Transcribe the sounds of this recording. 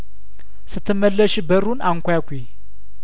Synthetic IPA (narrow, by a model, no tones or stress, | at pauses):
sɨt̪ʰːɨmːəlːəʃbəɾunaŋkʷjakʷe